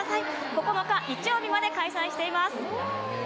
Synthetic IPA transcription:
sai | ko̞ko̞no̞kait͡ɕijo̞ːbʲimad̪e̞kaisãĩɕi̥t̪e̞imasɨ̥

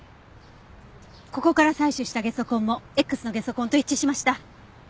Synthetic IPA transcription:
ko̞ko̞kaɾasaiɕɨɕi̥t̪aɡe̞so̞kõ̞mːo̞e̞kːɯ̟sɨno̞ɡe̞so̞kõnt̪o̞it͡ɕːiɕimaɕi̥t̪a

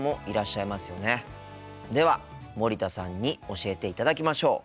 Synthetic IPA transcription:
mo̞ʔiɾaɕːaimasɨjo̞ne̞ | d̪e̞βa | mo̞ɾʲit̪asãɲ̟ːio̞ɕie̞t̪e̞it̪ad̪akʲimaɕo̞ː

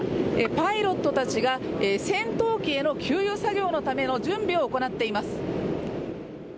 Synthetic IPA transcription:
epaiɾo̞t̪ːo̞t̪at͡ɕiɡaesẽ̞nt̪o̞ːkʲie̞no̞kʲʰɨːjɯːsaɡʲo̞ːno̞t̪ame̞no̞d͡ʑɨ̃mbʲio̞ːko̞nat̪ːe̞imasɨ̥

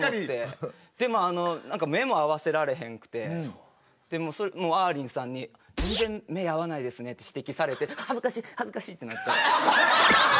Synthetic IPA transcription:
t̪e̞ | d̪̥e̞mo̞ano̞nãŋkame̞mo̞aβase̞ɾaɾe̞ɦẽ̞ŋkɯ̟̥t̪e̞ | d̪̥e̞mo̞ːso̞mo̞ːaːɾʲĩɰ̃sãɲ̟ːia | d͡zẽ̞nd͡zẽ̞mːe̞jaβanaid̪e̞sɨne̞t̪ːe̞ɕi̥t̪e̞kʲisaɾe̞t̪e̞hazɨkaɕiːhazɨkaɕiːt̪ːe̞natːt͡ɕːa

